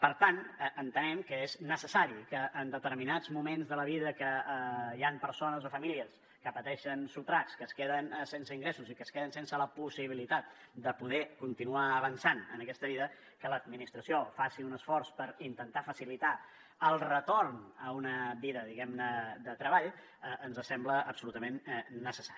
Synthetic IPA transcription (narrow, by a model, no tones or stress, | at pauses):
pəɾt̪anənt̪ənɛmkəeznəsəsaɾikəʔːnd̪ət̪əɾminad͡zmumenzðələβiðəkəjampəɾsonəzofəmiliəs | kəpət̪ɛʃənsut̪ɾakskəskeðənsensəiŋɡɾesuzikəskeð̞ənsensələpusiβ̞ilit̪at̪̚ | d̪əpuðɛkunt̪inuaəβənsanə̰nəkɛst̪əβiðə | kələd̪̚minist̪ɾəsiofasiunəsfɔrspəɾint̪ənt̪afəsilit̪a | əlˠrət̪ornəunəβiðəðiɣɛmnəd̪ət̪ɾəβaʎ | əʔənzəsɛmbləəpsulut̪əmenːəsəsaɾi